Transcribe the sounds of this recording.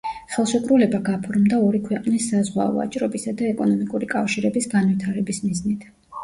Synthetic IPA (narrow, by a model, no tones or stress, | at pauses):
χɛlˠʃɛkʼɾulɛbaɡapʰɔɾmd̪aɔɾikʰwɛqʼnisːazʁwa̰ɔ̰a̰t͡ʃʼɾɔbisad̪aɛkʼɔnɔmikʼuɾikʼafʃiɾɛbisɡanvit̪ʰaɾɛbismiznit̪ʰ